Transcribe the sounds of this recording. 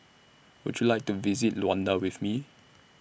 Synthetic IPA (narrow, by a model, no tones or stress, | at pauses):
wʊ̰d͡ʒjulajk̚tuvizitluãndəwɪθmi